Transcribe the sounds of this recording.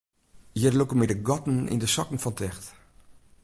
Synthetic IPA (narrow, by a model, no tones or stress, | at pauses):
jərlukəmɛdəɡɔtn̩ḭndəsɔkn̩ŋ̩fɔntʰɛxt